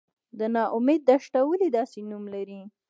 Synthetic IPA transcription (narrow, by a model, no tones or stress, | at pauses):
d̪ənɑʔʊmed̪̚ːaʃʈawəlid̪ɑsenumlaɾi